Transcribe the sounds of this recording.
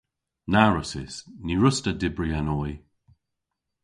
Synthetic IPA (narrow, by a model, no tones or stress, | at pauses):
naɹəsɪsniɹʊstədɪbɹianɔj